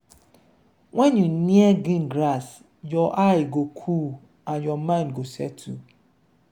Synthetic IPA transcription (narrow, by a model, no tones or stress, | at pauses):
wʔɛ̃njunĩɛɡĩnɡɾas | jɔʔaɪɡokʰu | ãnjɔmãɪ̃nɡosɛtʰṵ